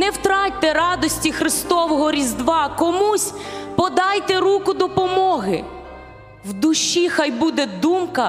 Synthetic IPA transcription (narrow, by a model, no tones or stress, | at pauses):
nɛwt̪ɾɑt̚ʲt̪ɛɾɑd̪ɔsʲtʲixɾɪst̪ɔʋɔɦɔɾʲizd̪ʋɑkɔmusʲpɔd̪ɑjt̪ɛɾukʊd̪ɔpɔmɔɦɪ | wd̪ʊʃːixɑjbud̪ɛd̪umkɐ